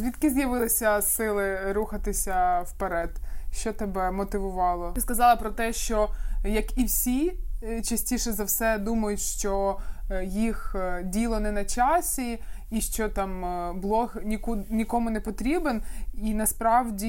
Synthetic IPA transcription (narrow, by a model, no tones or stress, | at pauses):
zʲʋʲit̪kɪzjɐʋɪlˠɪsʲɐsɪlˠɪɾuxɐt̪ɪsʲɐwpeɾɛd̪̥ʃt͡ʃɔt̪ebɛmɔt̪ɪʋʊʋɑlˠɔskɐzɑlˠɪpɾɔt̪ɛʃt͡ʃɔjɐkiwsʲit͡ʃɐsʲtʲiʃɛzɐwsɛd̪umɐjʊtʲʃt͡ʃɔ | jixdʲilˠɔnɛnɐt͡ʃɑsʲi | iʃt͡ʃɔt̪ɑmblˠɔxnʲikunʲikɔmʊnɛpɔt̪ɾʲibeninɐspɾɑwdʲi